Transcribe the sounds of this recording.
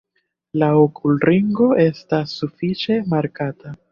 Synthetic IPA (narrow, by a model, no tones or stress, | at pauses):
laokʰulɾiŋɡo̞ʔe̞stasːufit͡ʃe̞maɾkata